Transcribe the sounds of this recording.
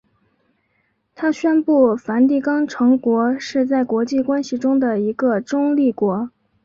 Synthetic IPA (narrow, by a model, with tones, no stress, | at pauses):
t̪ʰa˥ɕɥɛ˥npu˥˩fa˧˥nt̪i˥˩kɑ˥ŋʈ͡ʂʰɤ˧˥ŋkwɔ˧˥ʂɻ̩˥˧t͡sa˥˩ɪkwɔ˧˥t͡ɕi˥˩kwa˥nɕi˨˩ʈ͡ʂʊ˥ŋd̪ə˨i˧˥ɡə˧ʈ͡ʂʊ˥ŋli˥˩kwɔ˧˥